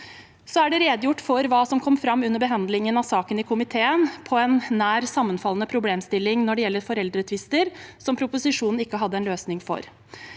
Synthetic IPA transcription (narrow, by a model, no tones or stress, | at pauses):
sɔæɖɛɾeːd̪əjʊʈːfɔɾʋɑːsɔmkʰɔmːfɾɑmːʉnːəɾbəɦɑnd̪lɪŋənɑsɑːkənɪkʰʊmɪt̪ʰeːənpʰɔɛnːæːɾsɑmːənfɑlənəpʰɾʊbleːmst̪ɪlːɪŋnɔɖɛjɛlːəɾfɔɾɛld̪ɾət̪ʰʋɪst̪əɾsɔmpʰɾʊpʊsɪʂuːnn̩ɪkːəɦɑd̪ːəɛnløːsnɪŋfɔ̰ɾ